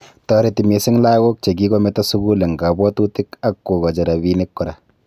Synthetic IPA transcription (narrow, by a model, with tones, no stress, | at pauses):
tɔ˨ɾe˨ti˨me˨sɪ˦ŋla˦ɡo˦k̚t͡ʃe˨ɡ̬i˦kɔ˦mɛ˦ta˦su˦ɡu˦le˨ŋɡa˨bɔ˦tu˦tɪ˦ka˦kːo˨kɔ˨d͡ʒa˨ɾa˨βi˦nɪ˦kːʊ˨ɾa˨